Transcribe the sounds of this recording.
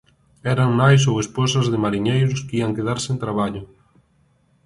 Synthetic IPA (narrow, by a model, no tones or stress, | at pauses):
ɛɾɐŋnajs̬owespɔsɐzðɪmaɾiɲejɾʊskiɐŋkeðaɾsent̪ɾaβ̞aʎʊ